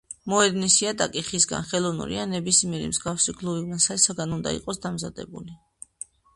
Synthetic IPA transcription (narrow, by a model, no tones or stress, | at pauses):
mɔɛd̪nisiad̪akʼiχisɡa̰nχɛlˠɔvnṵɾḭanɛbismiɛɾḭmzɡafsiɡlˠuvivnasaɛsaɡanund̪a̰ḭqʼɔsd̪amzad̪ɛ̰buli